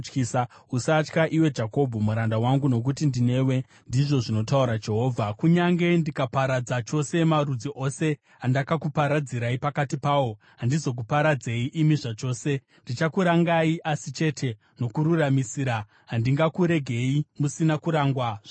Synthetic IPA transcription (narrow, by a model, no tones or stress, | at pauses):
kiːsausat͡ʃkaʔiwe̞d͡ʒako̞bʱomuɾandawaŋɡuno̞k̬utindine̞we̞ | ndiʐo̞ʐino̞tauɾad͡ʒe̞ɦo̞ːvʱakuɲaŋɡe̞ndikapaɾad͡zat͡ʃo̞se̞marud͡ziʔo̞se̞ | andakakupaɾad͡ziɾaipakatipaːwo̞ | ɦandizo̞k̬upaɾad͡ze̞iʔimiʐat͡ʃo̞ːse̞ | ndit͡ʃakuɾaŋɡaiʔasit͡ʃe̞tʰe̞ | no̞kuɾuramisiːɾa | ɦandiŋɡakuɾe̞ɡʱe̞imusinakuɾaːŋɡwaʐ̥a